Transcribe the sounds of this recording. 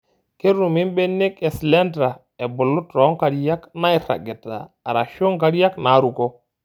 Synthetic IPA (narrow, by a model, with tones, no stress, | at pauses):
ke˦ɾu˨mi˦mbe˦nːi˦kɛ˨slɛ˦ntɾa˨ | e˨bu˨lːu˦tɾo˨˦ŋka˨ɾja˦kna˦i˦ɾa̰˨ɡe˨ta̰ː˨ɾa˨ʃo˦ŋka˦ɾja˦kna˨˦ɾu˨ko˦